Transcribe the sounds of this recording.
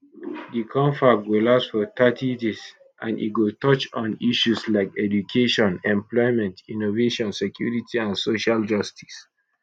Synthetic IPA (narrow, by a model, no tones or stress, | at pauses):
dikʰɔ̃ɱfaɡolasfɔtʰatʰidis | ʔã̰nḭɡotɔt͡ʃɔ̃niʃuslaɪkɛdukʰeʃɔ̃nɛ̃mplɔɪmɛ̃ntʰĩnoveʃɔ̃nsekʰjṵɹitʰiãnsoʃald͡ʒɔstʰi̥s